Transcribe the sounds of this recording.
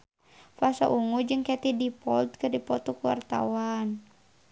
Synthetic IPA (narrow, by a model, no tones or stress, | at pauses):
fasa̰ʔuŋud͡ʒɨŋkɛt̪idipɔlt̪̚kɨrdipɔt̪ɔkuwa̰rt̪a̰wan